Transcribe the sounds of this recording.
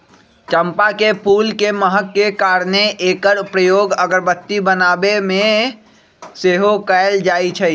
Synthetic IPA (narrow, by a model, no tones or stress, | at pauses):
t͡ʃəmpakepʰuːlkeməɦəkːekaɾneʔeːkəɾpɾəjoːɡəɡəɾbət̪ːibənaːbemẽ | seɦokəld͡ʒaːt͡ʃʰɛ